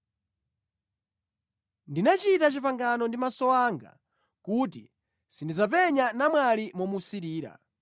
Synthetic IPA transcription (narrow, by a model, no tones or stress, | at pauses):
ndinat͡ʃitat͡ʃipaŋɡanɔndimasɔwaːŋɡa̰ | kuːtḭ | sindizap̬ɛɲanamwalimɔmusiɾiːɾa̰